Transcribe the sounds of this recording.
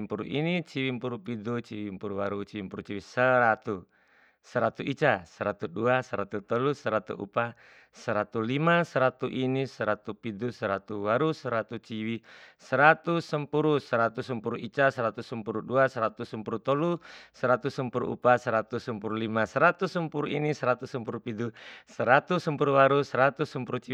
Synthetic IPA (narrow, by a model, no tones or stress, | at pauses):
mpuɾṵʔinit͡ʃiwimpuɾupidut͡ʃiwimpuɾuwaɾut͡ʃiwimpuɾut͡ʃiwisəɾat̪u | səɾat̪uʔit͡ʃasəɾat̪uduasəɾat̪ut̪ɔlusəɾat̪ṵʔṵpa | səɾat̪ulimasəɾat̪uʔinisəɾat̪upid̪usəɾat̪uwaɾusəɾat̪ut͡ʃiwisəɾat̪usəmpuɾusəɾat̪usəmpuɾuit͡ʃasəɾat̪usəmpuɾuduasəɾat̪usəmpuɾut̪ɔlusəɾat̪usəmpuɾṵʔṵpasəɾat̪usəmpuɾulimasəɾat̪usəmpuɾuʔinisəɾat̪usəmpuɾupidusəɾat̪usəmpuɾuwaɾusəɾat̪usəmpuɾut͡ʃi